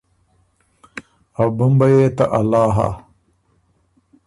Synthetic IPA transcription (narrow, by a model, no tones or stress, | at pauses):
ɐwbɐmbɐjeːt̪ɐʔɐlaːɦa̰